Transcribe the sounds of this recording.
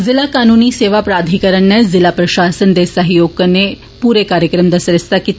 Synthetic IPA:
zilakaːnuːniseːʋapɾaːd̪ʱikɐɾəɳːɐzilapɾɐʃaːsənd̪esɐɦjoːɡ̚kɐnːe | puːɾekaːɾjəkɾəmd̪ɐsɾɐst̪akit̪

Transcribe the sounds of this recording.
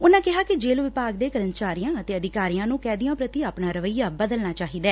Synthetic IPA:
ʊnãːkɪɦaːkɪd͡ʒeːlʋɪpaːɡd̪eːkəɾənt͡ʃaːɾijãːət̪eːəd̪ɪkaːɾijãːnũːkɛːd̪ɪjãːpɾət̪iːaːpnaːɾəʋəjːaːbəd̪əlnaːt͡ʃaːɦiːd̪ɛː

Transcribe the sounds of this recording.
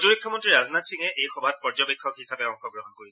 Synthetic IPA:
zuɹikʰːɔmɔntɹiɹaznatsiŋɛʔejxɔbʱat̚pɔɹzɔbekʰːɔkɦisapɛɔŋxɔɡɹɔɦɔnkoɹisɛ

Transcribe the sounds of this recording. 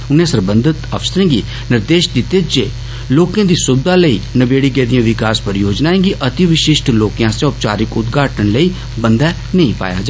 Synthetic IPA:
ʊnẽsəɾbə̃nd̪ət̪ə̰ʋst̪ɾẽːɡḭː | nɪɾd̪eːʃd̪ɪt̪eːd͡ʒeː | loːkãːd̪iːsʊbd̪aːləiːnəbeːɽiːɡɛːd̪ijãːʋɪkaːspəɾjoːd͡ʒnaːẽːɡiʔət̪ɪʋɪʃɪʃʈloːkijãːsẽʊp̚t͡ʃa̰ːɾɪkʊt̪ɡʱaːʈənləiː | bənd̪ɛː | nəĩːpa̰ːja̰ːd͡ʒa

